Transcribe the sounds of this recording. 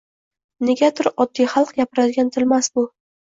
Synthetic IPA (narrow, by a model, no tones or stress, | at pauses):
ne̞ɡʲad̪ɪɾɒd̪ːijχɑlˠqjapɪɾad̪ɪɡʲant̪ʰɪlmasbʊ